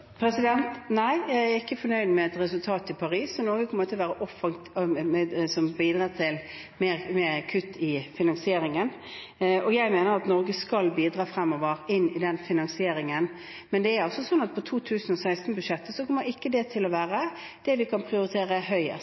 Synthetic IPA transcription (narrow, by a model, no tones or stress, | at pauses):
pʰɾɛsɪd̪ɛnt̪næɪjæɪæɾɪkːəfɔnœʏd̪mɛːt̪ɾɛsʉlt̪ʰɑːt̪ɪpʰɑɾiːsːɔnɔɾɡəkʰɔmːəɾɪt̪ʰɪlʋæːɾəʔɔfɑŋt̪ | sɔmbiːd̪ɾɑːt̪ʰɪl | meːɾmeːɾkʰʉt̪ːɪfɪnɑnsɪeːɾɪŋən | ɔjæɪmeːnəɾɑt̪nɔɾɡəskɑlbiːd̪ɾɑːfɾɛmːɔʋəɾɪnːɪd̪ɛnfɪnɑnsɪeːɾɪŋən | mɛnd̪ɛæɾɑlsɔsɔnːɑt̪̚pʰɔt̪ʰuːt̪ʰʉːsən̩ɔsæɪst̪n̩bʉʂɛt̪ːəsɔkʰɔmːəɾɪkːəd̪ɛt̪ʰɪlɔʋæːɾə | d̪̥ɛʋɪkʰɑnpʰʁɪʊɾɪt̪ʰeːɾəɦœʏə̰